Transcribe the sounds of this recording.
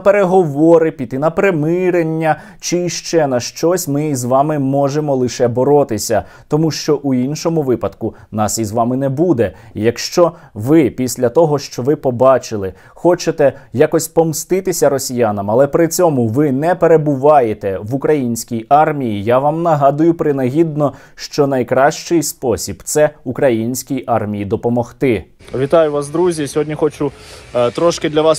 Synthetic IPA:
peɾeɦɔʋɔɾɪpʲit̪ɪnɐpɾemɪɾenʲːɐ | t͡ʃɪʃt͡ʃɛnɐʃt͡ʃɔsʲmɪizʋɑmɪmɔʒemɔlˠɪʃɛbɔɾɔt̪ɪsʲɐ | t̪ɔmuʃt͡ʃɔʔuinʃɔmʊʋɪpɐd̪kʊ | nɑsizʋɑmɪnɛbud̪ɛjɐkʃt͡ʃɔ | ʋɪpʲisʲlʲɐt̪ɔɦɔʃt͡ʃɔʋɪpɔbɑt͡ʃɪlˠɪ | xɔt͡ʃet̪ɛjakɔsʲpɔmst̪ɪt̪ɪsʲɐɾɔsʲijanɐmɐlˠɛpɾɪt͡sʲɔmʊʋɪnɛpeɾebʊʋɑjet̪ɛʋukɾɐjinʲsʲkʲijɑrmʲijijaʋɑmnɐɦɑd̪ʊjʊpɾɪnɐɦʲid̪̚nɔ | ʃt͡ʃɔnɐjkɾɑʃt͡ʃɪjspɔsʲib̥t̪sɛukɾɐjinʲsʲkʲijʔɑrmʲijid̪ɔpɔmɔxt̪ɪ | ʋʲit̪ɑjʊʋɑs̬d̪ɾuzʲisʲɔɦɔdʲnʲixɔt͡ʃʊt̪ɾɔʃkɪd̪lʲɐʋɑs

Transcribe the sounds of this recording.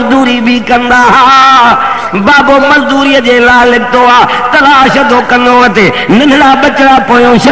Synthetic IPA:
d̪uːɾibʱikɐ̃nd̪aːɦãː | baːboːmɐzd̪uːɾiːjəd͡ʑeːlaːɪlɐɠɪt̪oːaːt̪ɐlaːʃɐd̪ʱoːkɐ̃nd̪oɐt̪eː | nɪnɪɽaːɓɐt͡ɕɽaːpoːjõːʃɐ

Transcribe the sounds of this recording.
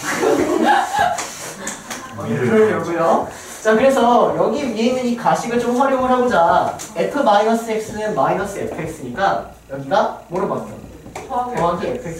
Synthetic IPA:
ɯɾʌjoɡujo | t͡ɕakɯɾe̞s̬ʰʌjʌɡimieinːɯnikaɕʰiɡɯɭt͡ɕomɸaɾjomɯɭɦaɡod͡ʑae̞pʰɯmainʌs͈ɯek̚s͈ɯnɯnmainʌs͈ɯepʰɯeks͈ɯɲik͈a | jʌɡitamoɾɯbat͈ʌ̰ | ɦankʰeepʰ

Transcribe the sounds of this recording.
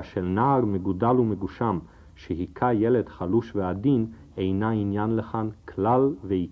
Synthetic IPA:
ʃelnaːʁmeɡudalumeɡuʃam | ʃeɦikʰajeled̥χaluʃveadin | ejnainjanleχankʰlalveik

